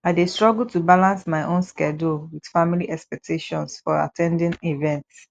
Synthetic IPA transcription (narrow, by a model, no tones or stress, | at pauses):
aɪdestɹɔɡultubalãnsmaɪʔõnskɛdowid̥familiʔɛkspɛk̚tʰeʃɔ̃nsfɔɹa̰tʰɛ̃ndĩnivɛ̃nt